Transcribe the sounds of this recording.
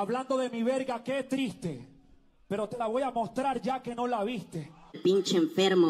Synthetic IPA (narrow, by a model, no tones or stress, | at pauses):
aβland̪o̞ðe̞miβe̞ɾɣake̞t̪ɾist̪e̞ | pe̞ɾo̞t̪e̞laβo̞jamo̞st̪ɾaɾd͡ʒake̞no̞laβist̪e̞lpint͡ʃeɱfeɾmo